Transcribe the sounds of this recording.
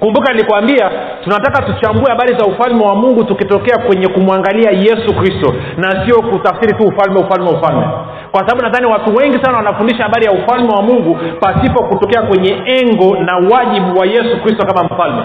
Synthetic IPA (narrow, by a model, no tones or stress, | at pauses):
kumbukanilikuwambia | tunatakatut͡ʃaŋɡuɛhaɓaɾizaufalmɛwamuŋɡutukitɔkɛakwɛɲɛkumuaŋɡaliajɛsukɾistɔ | nasiɔkutafsiɾituːfalmɛufalmɛwufalmɛ | kwasaɓaɓunaðaniwatuwɛŋɡisanawanafundiʃahaɓaɾijaufalmɛwamuŋɡupasipɔkutɔkɛakwɛɲɛɛŋɡɔnawaʄiɓuwajɛsukɾistɔkamam̩falmɛ